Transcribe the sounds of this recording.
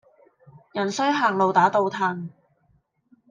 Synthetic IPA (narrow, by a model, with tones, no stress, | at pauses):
jɐ˨˩nsɵ˥ɥɦaː˨˩ŋlo˨wt̪aː˨˥t̪o˧wt̪ʰaː˧ŋ